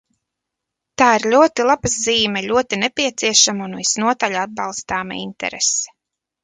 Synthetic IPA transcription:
t̪aːiɾlʲuɔt̪ilˠabazziːmɛʎʲuɔt̪inɛpʲiɛt̪siɛʃamunvisnuɔt̪alʲad̪̚bɑlˠst̪aːma̰ḭnt̪ɛ̰ɾɛ̰sɛ̥

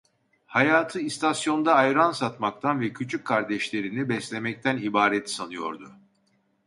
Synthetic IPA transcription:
hajaːt̪ʰɯist̪ʰasjo̞nd̪aːjɾansat̪mak̚t̪ʰanvɛcʰyt͡ʃʰycʰːaɾd̪ɛʃlʲe̞ɾinibɛslʲe̞mɛc̚t̪ʰænibaːɾɛt̪sanɯjo̞̰ɾd̪ʊ

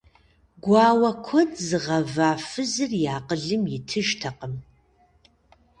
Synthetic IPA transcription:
ɡʷaːwɐkʷʰɔdzɨʁɐvaːfɨzɨrjaːqəɮɨmjɪtʰɨʒtʰɐqəm

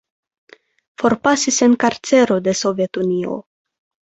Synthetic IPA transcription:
fo̞ɾpasise̞nkaɾt͡se̞ɾod̪e̞so̞vjet̪unio̞̰

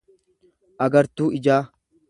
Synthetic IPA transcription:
ʔɐɡɐɾt̪uːɪd͡ʒaː

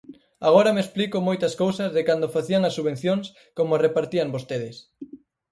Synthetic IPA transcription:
aɣ̞oɾɐmesplikʊmojt̪ɐskowsɐzðekand̪ofaθiɐŋɐsːuβ̞ẽn̟θjoŋs | komoarepaɾt̪iɐmbost̪eðɪs

